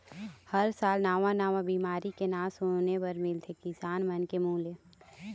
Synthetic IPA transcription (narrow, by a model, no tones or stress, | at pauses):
hɐɾsaːlnaːʋãnaːʋãbiːmaːɾikenãːsonepɐɾmɪlt̪ʰekɪsaːnmɐnkemuːle